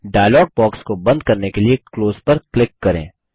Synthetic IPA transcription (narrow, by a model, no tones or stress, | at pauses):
ɖaːjlɔːɡ̚bɔːkskobɐ̃nd̪̚kɐɾnekeliekloːzpɐɾklɪkːɐɾẽː